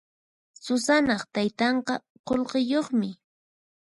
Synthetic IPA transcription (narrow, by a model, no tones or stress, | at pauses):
sʊsanɑχt̪ajt̪ɑɴqɑ | qolɢɪjoχmɪ